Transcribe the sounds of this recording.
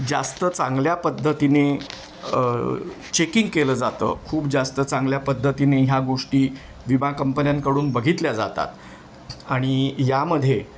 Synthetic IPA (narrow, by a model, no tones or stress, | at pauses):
d͡za̰st̪ət͡sãŋɡljapəd̪ʱːət̪ine | t͡ɕekiŋɡkeləːd͡zat̪ə̰ːkʰuːpd͡zast̪ət͡sãŋɡljapəd̪ʱːət̪ineɦjaɡoʂʈiː | ʋibãkəmpənjãnkəɽuːnbəɡʱit̪ljad͡za̰t̪a̰t̪ | aɽ̃ijaməd̪ʱje